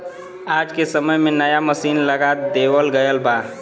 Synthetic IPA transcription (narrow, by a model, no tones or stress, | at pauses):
aːd͡ʒkesəməjmẽnəjaməsiːnləɡat̪d̪eːwəlɡəjəlbaː